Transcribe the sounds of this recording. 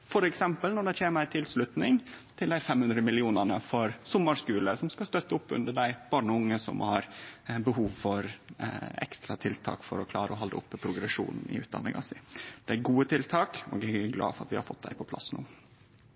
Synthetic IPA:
fɔɾɛksɛmpəlnɔɖɛçʰeːməɾæɪt̪ʰɪlslʉt̪nɪŋt̪ʰɪld̪æɪfɛmhʉnd̪ɾəmɪlɪuːnəɳəfɔɾsʊmːəɾskʉːləsɔmskɑst̪œt̪ːəʊpːʉ̰nd̪əɖæɪb̥ɑːɳəʊŋːəsɔ̰mhɑɾbəhuːʋfɔɾ | ɛ̰kst̪ɾɑt̪ʰɪlt̪ʰɑ̰ːkfɔ̰ɾɔkʰlɑ̰ːɾəɔɦɑld̪əʊpːpʰɾʊɡɾɛʂṵːnn̩ɪ̰ʉ̰ːd̪ɑ̰nːɪ̰ŋɑ̰sɪd̪̥ɛæɾɡuːət̪ʰɪlt̪ʰɑːkɔ̰ɡæɡlɑ̰ːfɔɾɑt̪ʋɪhɑ̰ɾfɔt̪̚ːd̪æɪpʰɔpʰlɑ̰snṵː

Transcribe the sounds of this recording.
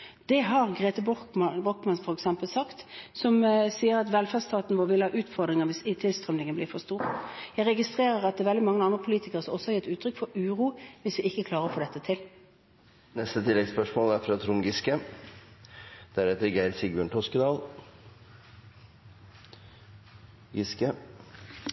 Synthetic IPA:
d̪̥ɛɦɑʁɡʁeːt̪əbbɔkmɑnfɔʁɛksɛmpəlsɑkt̪sɔmsiːəɾɑt̪ʋɛlfæst̪ʰɑːt̪n̩ʋɔːʋɪləhɑːʔʉːt̪fɔʁd̪ʁɪŋəʁʋɪsɪt̪ʰɪlst̪ʁœmnɪŋənblɪːʁfɔst̪uːʁjæɪʁɛɡɪst̪ʁeːʁəɾɑt̪̚d̪ɛːʋɛld̪ɪmɑŋːəɑnd̪ʁəpʰʊliːt̪ɪkəʁəsɔmɔsːɔhɑɾjɛt̪ːʉːt̪ʰːɾʏkfɔɾʉːʁuːʋɪsʋɪɪkːəkʰlɑːɾəʁɔfoːd̪ɛt̪ːət̪ʰɪl | nɛst̪ət̪ʰɪlːɛɡspœʂmoːlæfɾɑːt̪ʰɾʊŋɡɪskə | d̪̥æɾɛt̪əɾɡæɪɾsɪɡʉɳʈʰɔskəd̪ɑːl | ɡɪskə

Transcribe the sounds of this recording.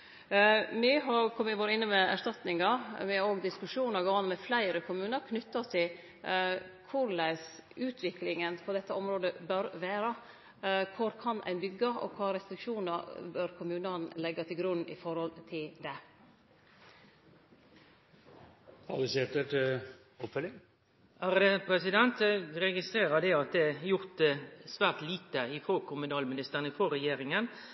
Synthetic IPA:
mɛɦɑɾkʰɔmːəʋoːɾəɪnːəmɛæ̰ʂtɑt̪nɪŋɑmɛoːɡd̪ɪskʉʂuːnɑɾɡɑːʋɑnmɛflæɪɾəkʰʊmʉːnɑɾkʰnʏt̪ːɑt̪ʰɪl | kʰʊɾlæɪsʔʉːt̪ʰʋɪklɪŋənpʰɔd̪ɛt̪ːəʔɔmɾoːd̪əbœɾʋæːɾə | kʰʊɾkʰɑnæ̰ɪnbʏɡːɑʔɔ̰kʰʋɑːɾɛst̪ɾɪkʂuːnɑɾbœɾkʰʊmʉːnənlɛɡːɑt̪ʰɪlɡɾʉnːɪ̰fɔɾhɔlt̪ʰɪld̪ɛ | ɑ̰ləseːt̪əʈ | ɔpfœlɪŋ | æːɾd̪ɛpʰɾɛsɪd̪ɛnt̪ɾɛɡɪst̪ɾeːɾɑd̪ɛɑt̪̚d̪ɛæjʊɾt̪sʋæːʁt̪liːt̪əɪfoːkʰʊmʉnɑːlmɪnɪst̪əʁənɪfoːɾɛjeːɾɪŋən

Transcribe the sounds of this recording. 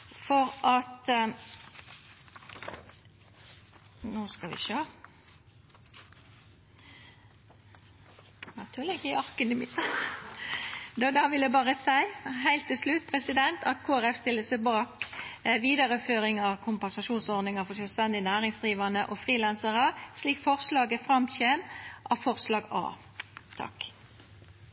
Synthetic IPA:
fɔɾʔɑt̪ | noːskɑʋɪ̰ʃøː | nɑt̪ʰʉːlɪɡɪɑʁkənəmɪ | d̪od̪ɑʋɪld̪ɛbɑːʁəsæɪhæɪlt̪ːɪlslʉt̪̚pʰʁɛsɪd̪ɛnt̪ʰɑt̪kʰoːæʁɛfst̪ɪlːəsɛbɑːkʋiːd̪əʁəføːʁɪŋɑʋkʰʊmpɛnsɑʃuːnsɔʁd̪nɪŋɑfɔsœlst̪ɛnd̪ɪnæːʁɪŋsd̪ʁiːʋɑnəʔɔfʁiːlænsəʁəsliːkfɔʁslɑːɡəfʁɑmçeːmʔɑfɔʁslɑːɡɑ̰ː | t̪ʰɑ̰k

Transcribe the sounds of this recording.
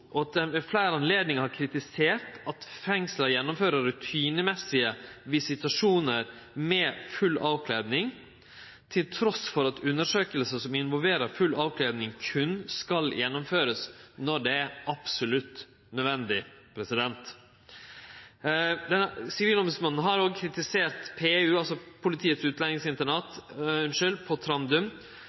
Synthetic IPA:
ʔɔɑt̪̚d̪ɛmɛflæːɾɑnleːd̪nɪŋəhɑɾkʰɾɪt̪ɪseːɾʈɑt̪fɛŋsləɾjɛnːʊmføːɾəɾɾʉt̪ʰiːnəmɛsːɪəʋɪsɪt̪ʉɑʂuːnəɾ | mɛfʉlːɑːʋkʰleːd̪nɪŋ | t̪ʰɪlt̪ʰɾɔsfɔɾɑt̪ʉnːəʂøːkəlsəsɔmɪnʋɔlʋeːɾəɾfʉlːɑːʋkʰleːd̪nɪŋkʰʉnskɑljɛnːʊmføːɾəsnɔɖɛæɾɑpsʊlʉt̪ː | nœd̪ʋɛnd̪ɪ | pʰɾɛsɪd̪ɛnt̪ | d̪ɛnsɪʋiːlɔmbʉsmɑnːn̩ɦɑɾoːɡkʰɾɪt̪ɪseːɾt̪pʰeːʉːɑlsɔpʰʊlɪt̪ʰiːət̪sʉːt̪lɛnɪŋsɪnt̪əɳɑt̪ʏnʃɪlpʰɔt̪ʰɾɑnd̪ʉm

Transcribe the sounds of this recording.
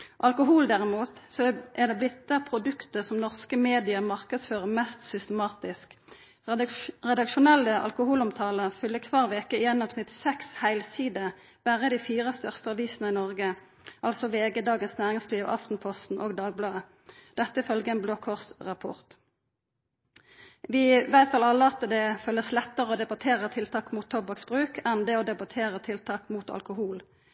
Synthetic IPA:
ʔɑlkʊɦuːld̪æʁɪmuːt̪sɔʔæʁd̪eːblɪt̪d̪əpʰʁʊd̪ʉkt̪əʁsɔmnɔʁskəmeːd̪ɪəmɑʁkəd̪sføːʁəmɛst̪sʏst̪əmɑːt̪ɪsk | ʁɛd̪ɑkʃʊnɛlːəʔɑ̰lkʊhuːlʊmt̪ʰɑːləfʏlːəkʰʋɑːʁʋeːkəɪjɛnːɑːʋsnɪt̪sɛkshæɪlsiːd̪ə | b̥æʁəd̪iːfiːʁəst̪œʁst̪əɑʋiːsənəɪnɔʁɡə | ʔɑlsɔʋeːɡəd̪ɑːɡənsnæːʁɪŋsliːʋ̰ʔɑ̰ft̪n̩pʰɔst̪n̩ʔo̰ːɡd̪ɑːɡ̚blɑːə | d̪̥ɛt̪ːəɪfœlɡəɛnbloːkʰɔʁsʁɑpʰʊ̰ʁt̪ | ʋɪːʋæɪt̪fɑlɑlːəɑt̪d̪ɛfœlːəslɛt̪ːəʁəoːd̪ɛbɑt̪ʰeːʁət̪ʰɪlt̪ʰɑːkmuːt̪ʰːɔbɑksb̥ʁʉːkʰɛnd̪ɛoːd̪ɛbɑt̪ʰeːʁət̪ʰɪlt̪ʰɑːkmuːt̪ɑ̰lkʊhuːl

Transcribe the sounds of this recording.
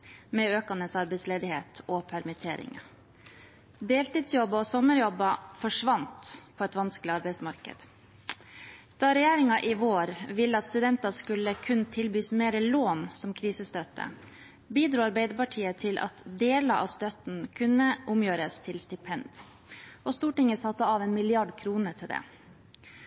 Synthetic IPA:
mɛøːkɑnəsɑɾbɛɪsleːd̪ɪhḛːt̪ʰɔpʰæɾmɪt̪ʰeːɾɪ̰ŋ | d̪eːlt̪iːd̪sjɔbːɑɔsɔmːəɾjɔbːɑfɔʂʋɑnt̪pʰɔɛt̪ʋɑnsklɪɑɾbæɪsmɑɾkə̰d̪̥ | d̪̥ɑːɾɛjæːɾɪŋɑʔɪʋoːɾʋɪlːəɑt̪st̪ʉd̪ɛnt̪ɑskʉlːəkʰʉnt̪ʰɪlbyːsmeːɾəloːnsɔmkʰɾiːsəst̪øt̪ə̰ | biːd̪ɾuːɑɾbeɪd̪əpɑʈʰiːət̪ʰɪlʔɑ̰t̪d̪eːlɑʔɑ̰ʋst̪œt̪n̩kʰʉnːəʔʊmjøːɾəst̪ʰɪlst̪ɪpʰɛnd̪ | ɔst̪uːʈɪŋəsɑt̪ːəɑʋɛnmɪlɪɑɖkʰɾuːnəʈʰɪld̪ɛ̰

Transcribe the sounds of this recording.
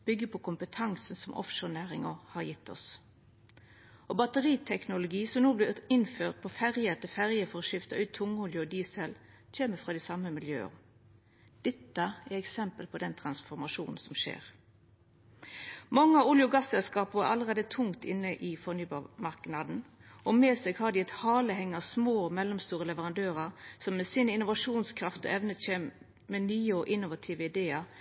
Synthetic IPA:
b̥ʏɡːəpʰɔkʰʊmpət̪ʰɑŋsn̩sɔmʔɔ̰fʃoːnæːʁɪŋəhɑʁjɪt̪ːɔ̰s | ʔɔbɑt̪əʁiːt̪ʰɛknʊlʊɡiːsɔmnoːblɪɪnføːʁt̪̚pʰɔfæʁjət̪əfæʁjəfɔʁɔʃɪft̪ɑʔʉːt̪ʰːʊŋːʊljʊɔd̪iːsɛl | c͡çeːməfʁɑːd̪ɛsɑməmɪljø̰ːə̰ | d̪̥ɛt̪ːɑæʁɛksɛmpəlpʰɔd̪ɛnt̪ʰʁɑnsfɔʁmɑʂuːnn̩sɔmʃḛːʁ | mɑŋːəɑʊljʊɡɑsːɛlskɑːpʊæ̰ɾɑlːəʁeːd̪ət̪ʰʊŋt̪ɪ̰nːəʔɪfɔʁnyːbɑmɑʁknɑd̪n̩ | ɔmeːsɛɡhɑd̪iɛt̪hɑːləhɛŋːɑsmoːɔmɛlːɔmst̪uːʁəlɛʋəʁɑnd̪øːʁɑʁsɔmːɛsiːnəɪnʊʋɑʂuːnskʰɾɑft̪ɔ̰ʔɛʋnəçeːm | mɛnyːəɔʔɪnːʊʋɑt̪ʰiːʋəɪd̪eːɑ

